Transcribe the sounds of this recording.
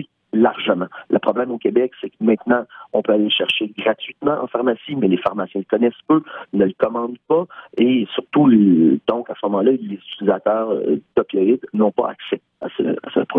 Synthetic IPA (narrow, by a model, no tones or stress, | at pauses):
i | laʁʒəmɑ̃ləpχɔblɛ̃mokʲebɛksɛkmɛ̃t̪nɑ̃ɔ̃pøaleʃɛʁʃeɡʁat̪ɥit̪mɑ̃ʔɑ̰̃faʁmasimɛlefaʁmasjɛ̃kɔnɛspønəlkɔmɑ̃d̪paesyʁt̪ud̪̥ɔ̃kasəmɔmɑ̃lalezytylizat̪œːʁt̪ɔpʲjɔɪd̪nɔ̃pa̰a̰ksɛ | a̰sə̰a̰sə̰p